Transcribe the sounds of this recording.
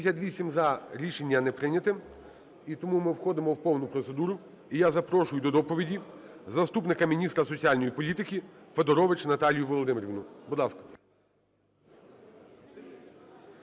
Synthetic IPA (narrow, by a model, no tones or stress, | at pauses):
sʲɐt̪ʲʋʲisʲimzɐɾʲiʃe̞nʲːɐnɛpɾɪnʲɐt̪ɪm | it̪ɔmumɪwxɔd̪ɪmɔwpɔwnʊpɾɔt̪se̞d̪uɾʊ | ijazɐpɾɔʃʊjʊd̪ɔd̪ɔpɔʋʲidʲi | zɐst̪upnɪkɐmʲinʲist̪ɾɐsɔt͡sʲialʲnɔjipɔlʲit̪ɪkʲifed̪ɔɾɔʋɪt͡ʃnɐt̪ɑlʲijʊʋɔlˠɔd̪ɪmeɾʲʋnʊbud̪lˠɑskɐ̥